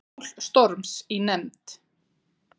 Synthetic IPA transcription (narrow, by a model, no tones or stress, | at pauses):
lst̪ɔɾmsinɛmt̪